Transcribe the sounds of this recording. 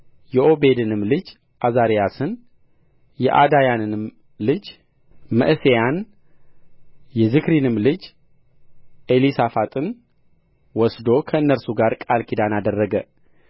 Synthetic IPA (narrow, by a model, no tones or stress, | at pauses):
jɛʔo̞be̞d̪ɨnɨmlɨd͡ʒ | ʔazaɾijasɨn | jɛʔad̪ajanɨnɨm | lɨd͡ʒ | mə̰ʔsejan | jɛzɨkɾinɨmlɨd͡ʒ | ʔe̞lisafat̪ʼɨn | wɔsd̪o̞kʰəɨnːəɾsuɡaɾkʼalkʰid̪anad̪ərːəɡə